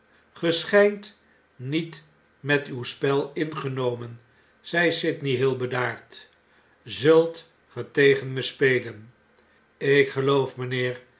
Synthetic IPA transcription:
χəsχɛjnt | nit | mɛtywspɛlˠɪnχənowmən | z̥ɛjsɪtniɦɪːlˠbədaːɹt | zɵlˠt | χətejχənməspejlən | ɪkχəlowfmənɪːɹ

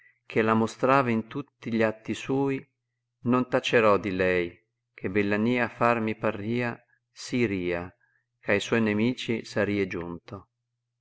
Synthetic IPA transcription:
kʰelamost̪ɾaːvaint̪ut̪ːiʎat̪ːisuːi | nont̪at͡ʃeɾɔd̪ilɛj | k̟ʰebelːaniːafarmipariːa | siɾiːa | kʰajswɔjnemiːt͡ʃisaɾiːed͡ʒunt̪o

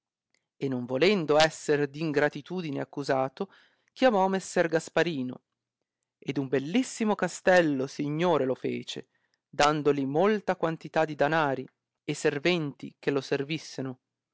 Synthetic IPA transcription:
enːoɱvolɛnd̪oɛsːerd̪iːŋɡɾat̪it̪uːd̪ineakːuzaːt̪o | k̟jamɔmesːɛrɡaspaɾiːno̰ | ed̪umbelːisːimokast̪ɛlːosiɲːoːɾelofḛːt͡ʃe | d̪and̪olimolt̪akwant̪it̪ad̪ːid̪anaːɾi | esːervɛnt̪ḭk̟eloservisːeɾo

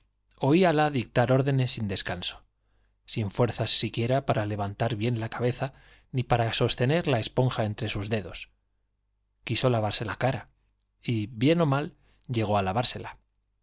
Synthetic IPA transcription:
o̞ialaðik̚t̪aɾo̞ɾðe̞ne̞sind̪e̞skanso̞̥ | siɱfwe̞ɾθasːikje̞ɾapaɾale̞βant̪aɾβje̞nlakaβe̞θa | nipaɾaso̞st̪e̞ne̞ɾlae̞spo̞ŋxae̞nt̪ɾe̞suzðe̞ðo̞s | kiso̞laβ̞aɾse̞lakaɾa | iβje̞no̞mal | ʎe̞ɣ̞o̞alaβaɾse̞la

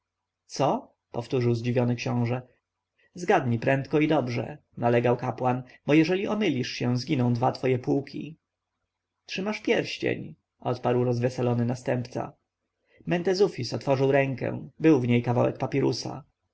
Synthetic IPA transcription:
t̪sɔ | pɔft̪uʐɘwzd͡ʑivʲjɔnɘkɕɔ̃w̃ʐɛ | zɡad̪ɲipɾɛnt̪kɔid̪ɔbʐɛ̰nalɛɡawkapwanbɔjɛʐɛlʲiʔɔmɘlʲiʂɕɛ̃zɡʲinɔ̃w̃d̪vat̪fɔjɛpwukʲʰḭ | tʂɘmaʂpʲjɛɾɕt͡ɕḛɲ | ʔɔt̪paɾwɾɔzvɛsalɔnɘnast̪ɛmpt̪sa̰ | mɛnt̪ɛzufʲisɔt̪fɔʐɘwɾɛŋkɛ̰̃bɘwvɲejkavawɛ̰k̚papʲɛɾṵsa̰

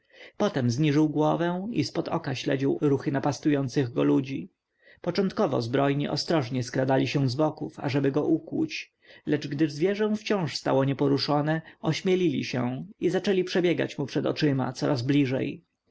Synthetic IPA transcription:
pɔt̪ɛmzɲiʐɘwɡwɔvɛ̃ispɔd̪ɔkaɕlɛd͡ʑiwɾuxɘnapast̪ujɔnt̪sɘɣɡɔlud͡ʑi | pɔt͡ʂɔ̃nt̪̚kɔvɔ̰zbɾɔjɲiʔɔ̰st̪ɾɔʐɲɛskɾad̪alʲiɕɛ̃zbɔkufa̰ʐɛbɘɡɔʔukwṵt͡ɕ | lɛd͡ʐɡd̪ɘzvʲjɛʐɛ̃w̃ft͡ɕɔ̃w̃ʂst̪a̰wɔɲɛpɔɾuʂɔnɛɔɕmʲjɛlʲilʲḭɕɛ̰̃izat͡ʂɛlʲipʂɛbʲjɛɡa̰t͡ɕmupʂɛd̪ɔ̰t͡ʂɘma̰t̪sɔɾazblʲiʐɛ̰j

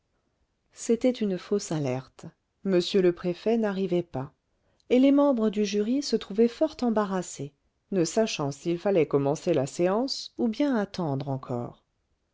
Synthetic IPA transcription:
set̪ɛt̪ynfosalɛʁt̪ | məsjøləpχefɛnaʁivɛpa | elemɑ̃bʁəd̪yʒyʁisət̪χuvɛfɔʁt̪ɑ̃baʁase | nəsaʃɑ̃silfalɛkɔmɑ̃selaseɑ̃subjɛ̃at̪ɑ̃d̪ʁɑ̃kʰɔ̰ːʁ

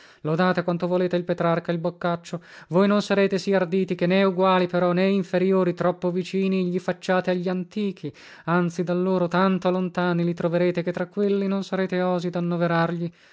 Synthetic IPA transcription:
lod̪aːt̪ekwant̪ovoleːt̪eilpet̪ɾarkailbokːat͡ʃːo | vojnonsaɾeːt̪esiard̪iːt̪ikenːɛuɡwaːlipeɾɔneiɱfeɾjoːɾit̪ɾɔpːovit͡ʃiːniʎifat͡ʃːaːt̪eaʎːiant̪iːk̟i | ant̪sid̪alːoːɾot̪ant̪olont̪aːnilit̪ɾoveɾeːt̪eket̪ːɾakːwelːinonsaɾeːt̪eɔːzid̪anːoveɾarʎi

